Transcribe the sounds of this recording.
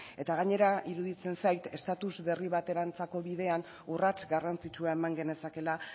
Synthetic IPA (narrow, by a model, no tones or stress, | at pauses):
e̞t̪aɣaɲe̞ɾaʔiɾuðit͡se̞nsajt̪e̞st̪at̪uzβe̞riβ̞at̪e̞ɾant͡sako̞βiðe̞an | urat͡sɡarant͡sit͡ʃuae̞maŋɡe̞ne̞sake̞la